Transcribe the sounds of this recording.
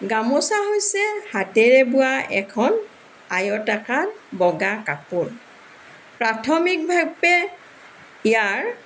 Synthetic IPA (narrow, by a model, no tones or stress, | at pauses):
ɡamosaɦojsɛhatɛɹɛbʊwaɛkʰɔn | ajɔtakanbɔɡakapuɹ | pɹatʰɔmik̚bʱaɡ̚bɛ | ijaɹ